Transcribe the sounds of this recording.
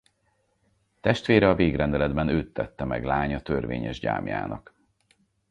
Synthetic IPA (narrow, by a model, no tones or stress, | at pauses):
t̪ɛʃt̪ʋeːɾɛɒveːɡrɛnd̪ɛlɛd̪bɛnøːt̪ːɛt̪ːɛmɛ̰ɡlaːɲɒt̪ørvḛːɲɛʒɟa̰ːmja̰ːnɒ̰k